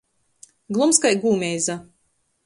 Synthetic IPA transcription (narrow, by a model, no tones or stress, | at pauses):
ɡlˠumskajɡuːmʲɛjza